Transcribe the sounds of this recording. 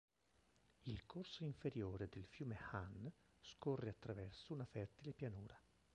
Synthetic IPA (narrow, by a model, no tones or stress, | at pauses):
ilkʰorsoiɱfeɾjoːɾed̪elfjuːmehan | skɔrːeat̪ːɾavɛrsounafɛrt̪ilepjanuːɾa